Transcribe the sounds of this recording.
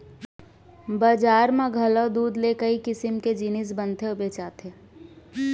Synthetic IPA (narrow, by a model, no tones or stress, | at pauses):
baːd͡ʒaːɾmãɡʱɐlod̪uːd̪lekəikɪsɪmked͡ʒinɪs̬bənt̪ʰeʊbeːt͡ʃaːt̪eː